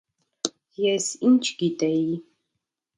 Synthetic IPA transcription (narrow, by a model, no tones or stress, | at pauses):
jɛsint͡ʃʰʼɡʲitʼɐj